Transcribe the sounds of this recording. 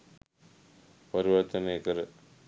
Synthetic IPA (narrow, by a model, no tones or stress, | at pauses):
pɐɾiʋɐɾt̪ɐneːkɐɾ